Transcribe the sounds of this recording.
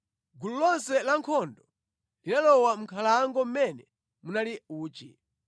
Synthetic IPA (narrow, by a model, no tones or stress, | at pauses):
ɡululɔnsɛlaŋkʰɔndɔ | linalɔwam̩kʰalaŋɡɔm̩mɛnɛ | munaliuːt͡ʃḭ